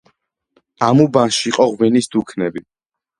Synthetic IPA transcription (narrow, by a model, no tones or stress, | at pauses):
amubanʃiːqʼɔʁwɛnisd̪ukʰnɛbi